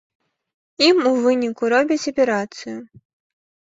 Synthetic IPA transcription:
imuvɨnʲikuɾɔbʲit͡sʲɐpʲɛɾat̪sɨju

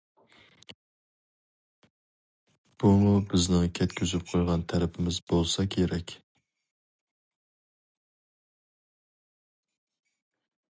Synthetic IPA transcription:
b̥umubɪznɪŋkʲʰɛt̪̚kʲʰyzyp̚qʰojʁɑnt̪ʰæɾɪpʰɪmɪzbolˠsɑkʲʰeɾɛkʲ

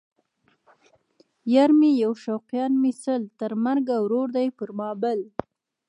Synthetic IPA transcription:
jaɾmijawʃawqjɑnmisəlt̪əɾmaɾɡawɾoɾd̪ajpəɾmɑbəl

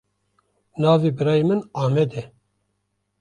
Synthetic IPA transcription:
nɑːviːbɨɾɑːjemɨnɑːmɛd̪ɛ

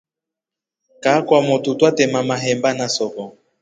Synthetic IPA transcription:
kakwamotutwatɛmamaɦɛmbanasɔkɔ

